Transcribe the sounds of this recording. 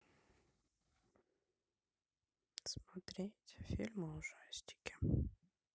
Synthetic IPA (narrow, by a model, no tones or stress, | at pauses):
smɐt̪ɾʲetʲfʲilʲməʊʐasʲtʲɪ̥kʲɪ̥